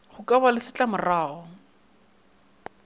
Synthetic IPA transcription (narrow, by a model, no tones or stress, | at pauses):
χʊkʼabalɪsɪt͡ɬʼamʊraːɔ